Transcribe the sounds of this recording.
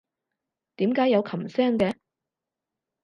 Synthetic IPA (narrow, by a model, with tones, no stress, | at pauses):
t̪iː˨˥mkaː˨˥jɐ˨˧wkʰɐ˨˩msɛː˥ŋkɛ˧